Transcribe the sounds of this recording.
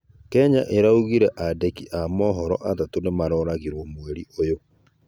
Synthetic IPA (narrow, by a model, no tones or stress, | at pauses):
kɛɲaʔeɾauɣiɾɛʔadɛkiʔamɔːɦɔɾɔʔatatonemaɾɔːɾaɣiɾwɔmwɛɾiojo